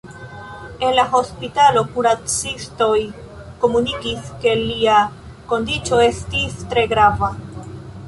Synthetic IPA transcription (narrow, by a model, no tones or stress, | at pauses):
e̞nlaɦo̞spitalo̞kuɾat͡sisto̞j | ko̞munikiske̞lia | ko̞ndit͡so̞e̞stistɾe̞ɡɾava